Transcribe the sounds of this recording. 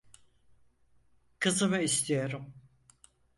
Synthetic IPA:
kʰɯzɯmɯist̪ʰijo̞ɾum

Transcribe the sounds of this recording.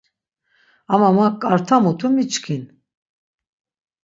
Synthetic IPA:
amamakʼaɾt̪ʰamut̪ʰumit͡ʃkʰin

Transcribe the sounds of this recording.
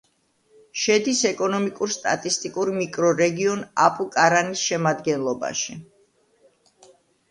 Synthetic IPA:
ʃɛd̪isɛkʼɔnɔmikʼuɾst̪ʼa̰t̪ʼist̪ʼikʼuɾmikʼɾɔɾɛɡiɔnapʼukʼaɾanisʃɛmad̪ɡɛnlˠɔba̰ʃi

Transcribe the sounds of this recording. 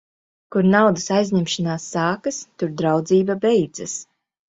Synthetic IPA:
kuɾnawd̪ɨsajzʲɲemʃanaːsːaːkast̪uɾd̪ɾawd̪ziːbabɛjd̪zɐs

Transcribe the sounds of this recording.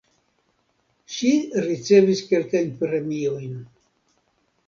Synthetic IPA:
ʃiɾit͡se̞viske̞lkajnpɾe̞mio̞jn

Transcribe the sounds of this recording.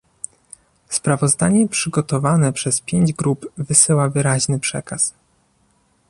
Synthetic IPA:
spɾavɔzd̪aɲɛpʂɘɡɔt̪ɔvanɛpʂɛspʲjeɲd͡ʑɡɾubvɘsɘwavɘɾaʑnɘpʂɛ̰kas

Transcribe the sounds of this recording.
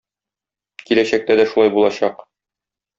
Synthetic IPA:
kilæɕæk̚t̪æd̪æʃulˠɑjbulˠɑɕɑq

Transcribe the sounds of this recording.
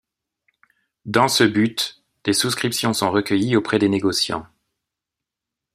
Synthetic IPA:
d̪ɑ̃səbyt̪ | d̪̥esuskχipsjɔ̃sɔ̃ʁəkʲəjiopχɛd̪eneɡɔsjɑ̰̃

